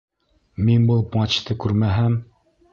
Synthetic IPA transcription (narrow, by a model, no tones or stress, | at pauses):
minbulˠpmɑt͡ɕt̪ɤkʉɾmæɦæm